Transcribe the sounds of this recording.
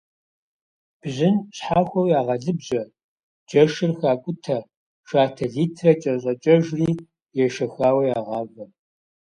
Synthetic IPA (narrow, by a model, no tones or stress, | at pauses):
b̥ʑɪnɕħaːxʷɔwjaːʁɐɮɨbʑɐ | d͡ʒɐʃɨrxaːkʷʼʊtʰɐ | ʃaːtʰɐɮiːtʰrɐt͡ʃʼɐɕʼɐt͡ʃʼɐʒriː | jɛʃɐxaːwɐjaːʁɑːvɐ